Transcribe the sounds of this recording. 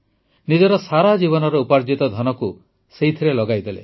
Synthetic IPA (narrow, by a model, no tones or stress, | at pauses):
nid͡ʒɔɾɔsaɾad͡ʒiβɔnɔɾɔupaɾd͡ʒit̪ɔd̪ʱɔnɔku | seɦit̪ʰiɾelɔɡajd̪elḛ